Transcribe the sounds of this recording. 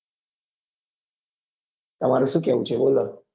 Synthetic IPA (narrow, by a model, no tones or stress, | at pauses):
t̪əmaɾəsukeut͡ɕebolːə